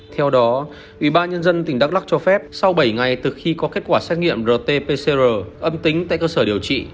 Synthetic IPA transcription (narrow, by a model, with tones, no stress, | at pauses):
t̪ʰɛ˧wɗɔ˨˦ | ʔḭ˧˩ɓaː˧nɲə˧nzə˧nt̪ï˨˩ŋ̟ɗa˦˥k̚la˦˥k̚t͡ɕɔ˧fɛ˦˥p̚sa˧wɓə˧˩jŋa˨˩jt̪ɨ˨˩xi˧kɔ˨˦ke˦˥t̚kwaː˧˩sɛ˦˥t̚ŋḭ˧˨əmzəː˨˩t̪e˧pe˧se˧zəː˨˩ʔə˧mt̪ï˨˦ŋ̟t̪a̰ː˧˨jkəː˧səː˧˩ɗi˨˩əwt͡ɕḭ˧˨